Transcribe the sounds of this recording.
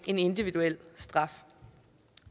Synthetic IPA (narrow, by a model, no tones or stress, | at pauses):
ʔe̝ne̝nd̥iʋiduel̰sd̥ʁɑ̈f